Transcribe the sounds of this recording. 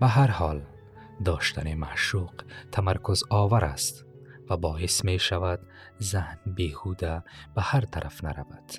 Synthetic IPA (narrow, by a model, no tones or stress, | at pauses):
baɦaɾhɔːl | d̪ɔːʃt̪ʰanimaʃuqt̪ʰamaɾkʰuzɔːvaɾa̰st̪ | vabɔːismeʃavad̪ | zahnbeːhuːd̪ab̥ahaɾt̪ʰaɾʔafnaɾa̰vad̪̥